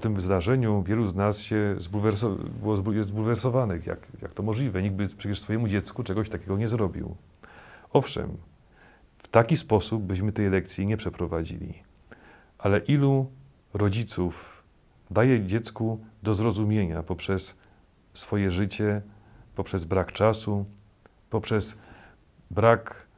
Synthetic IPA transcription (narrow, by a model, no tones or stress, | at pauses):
pɔt̪ɘmvzd̪aʐɛɲuvʲjɛluznasɕɛzbulvɛɾs̬ɔbɘwɔzbujɛzbulvɛɾsɔvanɛxja̰kja̰kt̪ɔmɔʐlʲivɛɲiɡbɘpʂɛt͡ɕɛʂsfɔjɛmud͡ʑɛt̪skut͡ʂɛɡɔɕt̪akʲɛɡɔɲɛzɾɔbʲḭw | ɔfʂɛ̰m | ft̪akʲispɔsub̚ːɘɕmɘt̪ɛjlɛk̚t̪sʲjiɲɛpʂɛpɾɔvad͡ʑḭlʲḭ | ʔalɛʔilu | ɾɔd͡ʑit̪suf | d̪ajɛd͡ʑɛt̪skud̪ɔzɾɔzumʲjeɲa̰pɔpʂɛsː | fɔjɛʐɘt͡ɕɛpɔpʂɛzbɾakt͡ʂasu | pɔpʂɛs | bɾak